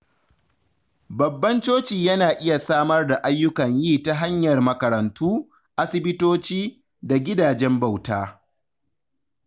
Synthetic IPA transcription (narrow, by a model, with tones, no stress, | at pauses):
bɐ˨bːɐ˦nt͡ʃoː˦t͡ʃiː˨jɐ˦naː˨ʔɪ˦ja˨saː˦mɐ˦rda˨ʔa˦jːʊ˦kɐ˨ɲjiː˦˨ta˦ɦa˦ɲjɐ˨rmɐ˨kɐ˨ɾɐ˨ntuː˦ | ʔa˦sɪ˦bɪ˦toː˦t͡ʃiː˦ | da˨ɡʲɪ˦daː˨d͡ʒɛ˦mba˨wtaː˦